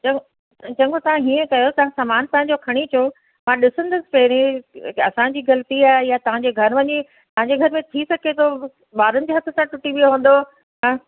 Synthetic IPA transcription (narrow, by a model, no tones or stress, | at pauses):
t͡ɕɐ | t͡ɕɐ̃ŋɡʰot̪ɐʋ̤ãɦiːə̃kɐjot̪ɐɦãsaːmaːnt̪ɐ̃ɦɪ̃ɲd͡ʑokʰɐɽ̃it͡ɕʰo | mãɗɪsə̃nd̪əsɪ̥̆pɛɦɾĩɐsãd͡ʑiːɡɐlt̪iaːɦɪjat̪ɐʋ̤ãɲd͡ʑeɡʱɐɾʋɐɲi | t̪ɐʋɦãɲd͡ʑeɡʱɐɾmẽt̪ʰisɐkʰet̪ʰo | ɓaːɾənɪ̆d͡ʑeːɦɐt̪ʰət̪ãʈʊʈiʋijoɦõːn̆d̪o | ɦãː